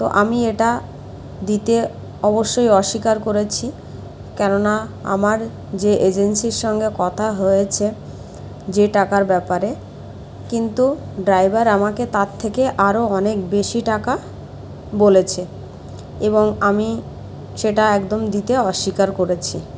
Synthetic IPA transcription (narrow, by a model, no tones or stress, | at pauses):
t̪o̰ʔamieʈa | d̪it̪e | ɔboʃːojɔʃːikaɾkoɾet͡ɕʰi | kɛnonaa̰maɾ | d͡ʑeʔed͡ʑensiɾʃɔŋɡekɔt̪ʰaɦojet͡ɕʰe | d͡ʑeʈakaɾbɛpaɾe | kint̪u | ɖɾajbaɾamaket̪at̪ʰːekeʔaɾoɔnekbeʃiʈaka | bolet͡ɕʰe | eboŋami | ʃeʈaɛkd̪omd̪it̪eɔʃːikaɾkoɾet͡ɕʰi